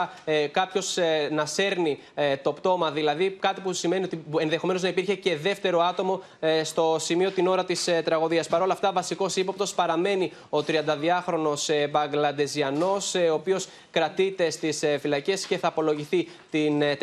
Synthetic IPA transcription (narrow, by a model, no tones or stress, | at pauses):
kɐpço̞snɐse̞ɾni | t̪o̞pt̪o̞mɐðilɐðikɐt̪ipusime̞nio̞t̪ienðe̞xo̞me̞noznɐipiɾçe̞ce̞ðe̞ft̪e̞ɾo̞ɐt̪o̞mo̞ | st̪o̞simio̞t̪ino̞ɾɐt̪ist̪ɾɐɣoðiɐspɐɾo̞lɐft̪ɐvɐsiko̞sipɐp̚t̪o̞spɐɾɐme̞ni | o̞t̪ɾiɐnd̪ɐðiɐxɾo̞no̞sbɐŋɡlɐd̪e̞ziɐno̞soːpio̞s | kɾɐt̪it̪e̞st̪isfilɐce̞sce̞θɐːpo̞lo̞ʝiθi | t̪in